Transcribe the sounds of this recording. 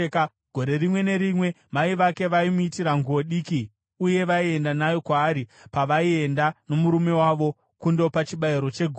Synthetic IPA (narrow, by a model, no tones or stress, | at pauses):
ɡ̥ʱo̞ɾe̞rimwe̞ne̞ɾimwe̞ | maiʋake̞ʋaimuitiɾaŋɡuwo̞ɗiːki | uje̞ʋaie̞ndanajo̞kwaːɾipaʋaie̞ndano̞muɾume̞waʋo̞ | kundo̞pat͡ʃiɓaiɾo̞t͡ʃe̞ɡʱ